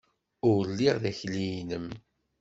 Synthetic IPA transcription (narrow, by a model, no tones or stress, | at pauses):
ʊɾlːiʁðæçlijnəm